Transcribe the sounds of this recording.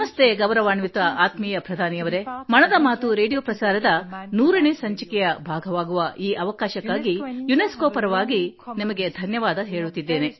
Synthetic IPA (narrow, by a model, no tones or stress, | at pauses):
mɐst̪ʰeɡɐʋɾɐʋaːɳʋit̪ʋɐʔaːt̪miːjɐpɾɐd̪ʱaːniɐʋɐɾe̞mɐɳɐd̪ɐmaːt̪uɾe̞ːɖijoːpɾɐsaːɾɐd̪ɐnuːɾɐɳesɐɲt͡ʃɐkɛjɐbʱaːɡʱɐʋaːɡuʋɐʔiːʔɐʋɐkaːʃɐkːaːɡijuneskoːpɐɾɐʋaːɡinimɐɡe̞d̪ʱɐnjɐʋaːd̪ɐɦe̞ːɭut̪ːid̪ːe̞ːne̞